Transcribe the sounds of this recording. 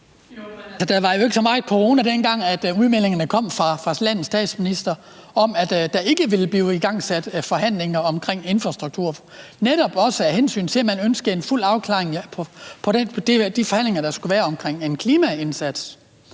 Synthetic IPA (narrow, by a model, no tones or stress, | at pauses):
æsɒd̥æʋɑ̈jo̝e̝ɡ̥əsɒ̽mɑ̈ɪkʰo̝ʁo̝ːnæd̥enɡ̥ɑ̈ŋ̰æd̥uðˠmel̰e̝ŋɐnəkʰɒ̽m̰fʁɑ̈fʁɑ̈slæn̰ð̩sd̥ɛ̰ːd̥sminisd̥ɐ | ɒ̽mæd̥d̥æ̈ʔe̝ɡ̥əʋe̝ləb̥liːiɡ̥ɑ̈ŋ̰sæd̥fɒ̽ɦæn̰le̝ŋɐɒ̽mkʰʁeŋ̰e̝nfʁɑ̈sd̥ʁuɡ̥̚t͡sʰuɐ̰neɾɒ̽b̥ɒ̽səæhensy̰ːnt͡sʰe̝læmænønsɡ̥əe̝nful̰ɑ̈ʊkʰlɑ̰̈ːeŋpʰpʰɒ̽ded̥d̥ifɒ̽hæn̰le̝ŋɐd̥ɑ̈sɡ̥uʋæːɐɒ̽mkʰʁeŋ̰e̝nkʰliːmæe̝nsæd̥s